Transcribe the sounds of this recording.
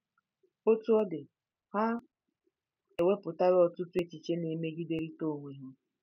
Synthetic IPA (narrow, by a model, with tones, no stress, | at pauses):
o˦tu˦ɔ˦dɪ˨ | ha˦ | e˨we˦pʊ˨ta˦ɾɔ˨tʊ˦tu˦e˦t͡ʃi˨t͡ʃe˦ne˨me˦ɡi˦de˦ɾi˦to˦˨ŋʷe˨ɦʊ˦